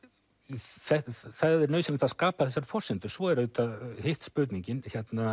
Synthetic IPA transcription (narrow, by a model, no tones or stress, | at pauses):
θɛθaððɛɾnœːɥsɪnat̪askaːpaθɛsːaɾ̥fɔr̥sɪnt̪ʏɾ̥svɔɛɾʏt̪ahɪht̪spʏɾt̪niɲcɪnçɛt̪na